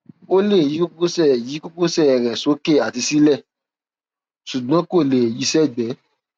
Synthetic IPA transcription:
o˦le˦˨ji˨˦ko˦ko˦ko˦sɛ˦˨ji˨˦ko˦ko˦sɛ˦˨ɛ˨ɾɛ˨so˨˦ke˦˨a˨ti˧si˦lɛ˦˨ | su˨ɡ͡bɔ̃˨˦ko˦˨le˨ji˨˦sɛ˦˨ɡ͡bɛ˨˦

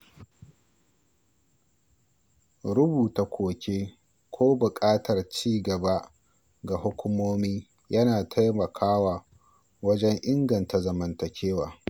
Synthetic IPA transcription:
ɽʊ˦buː˨ta˨kʷʰoː˨kʲeː˦ | kʷʰoː˦bʊ˨kʼaː˦tɐ˨rt͡ʃiː˦ɡɐ˨ba˦ | ɡa˨hʊ˦kʷʊ˦moː˦miː˦ | jɐ˦naː˨tʰa˦jmɐ˨kʰaː˦waː˨ | wɐ˦d͡ʒɛ˦ŋʔɪ˦ŋɡɐ˨nta˨zɐ˨mɐ˨ntɐ˨kʲʰeː˦waː˨

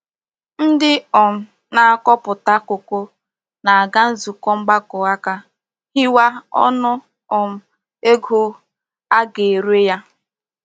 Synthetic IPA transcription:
n̩˦dɪ˦ɔ˨m̩˨ | na˨a˨kɔ˦pʊ˨ta˦ko˨ko˦ | na˨a˨ɡa˦n̩˦zu˨kɔ˦ŋ͡m̩˦ɡ͡ba˦kʊ˨a˦ka˦ | hɪ˦wa˦ɔ̰˦nʊ˦ | ɔ˨m̩˨ | e˦ɡu˦ | a˦ɡe˨ɾe˦ja˦

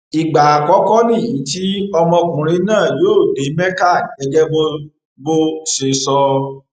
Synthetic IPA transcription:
i˨ɡ͡ba˨a˨kɔ˨˦kɔ˦nĩ˦˨jĩ˨˦ti˦ɔ˧mɔ̃˧kũ˨ɾ̃ĩ˨˦nãː˦˨joː˦˨de˨˦mɛ̃˦ka˦˨nĩ˨˦ɛ˧˦ɡɛ˦bo˦ | bo˦se˧sɔ˧

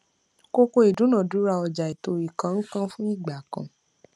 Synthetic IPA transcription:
ko˦ko˧i˨dũ˨˦nã˦˨du˨˦ɾa˧˨ɔ˧d͡ʒa˨i˨to˧˨i˨kã˨˧ŋ̩˦kã˦fũ˦i˦˨ɡ͡ba˨kã̰˨˧

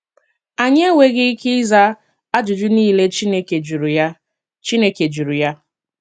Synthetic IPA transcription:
a˨ɲ˦e˦we˦ɣɪ˦kɪ˦za˦ | a˦d͡ʒʊ˨d͡ʒʊ˦niː˦le˦t͡ʃne˦ke˨d͡ʒu˨ɾu˨ja˦ | t͡ʃi˦ne˦ke˨d͡ʒu˨ɾu˨ja˦

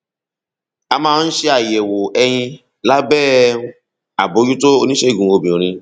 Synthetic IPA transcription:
a˧mãː˦˧˦n̩˦ʃe˧a˨jɛ˨wo˨ɛ˧j̃ĩ˧ | la˦bɛː˦˨˦ | a˨bo˨˦d͡ʒu˦to˦o˧nĩ˦ʃe˦˨ɡũ˨˦o˧˨bĩ˨ɾ̃ĩ˧

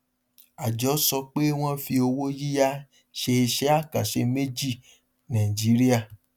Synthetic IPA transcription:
a˨d͡ʒɔ˨˦sɔ˧k͡pe˦w̃ɔ̃˦fi˧o˧wo˦ji˦ja˦ | ʃe˧e˧ʃɛ˦a˦˨ka˨ʃe˧me˦d͡ʒi˦˨ | nã˨ĩ˨d͡ʒi˨˦ɾi˦a˦˨

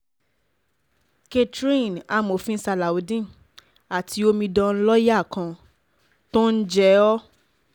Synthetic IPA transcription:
ke˧tɾĩ˦˨na˨˧mo˨fĩ˦sa˧la˨o˨˦dĩ˦ | a˨tʰi˧˦o˧mĩ˧dɔ̃˧n̩˦lɔ˦ja˦˨kã˧ | to˦n̩˦d͡ʒɛ˦ɔ˦

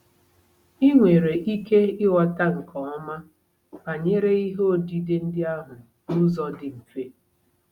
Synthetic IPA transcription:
i˦ŋʷe˨ɾe˨ʔi˦ke˦ɪ˦wɔ˨ta˦ŋ̩˨kʰɔ˨ɔ˦ma˦ | ba˨ɲe˦ɾe˦i˦ɦo˦di˦dɪ˦n̩˦dɪ˦a˦ɦʊ˨ | nu˦zɔ˦dɪ˨ŋ̩˨ke˦

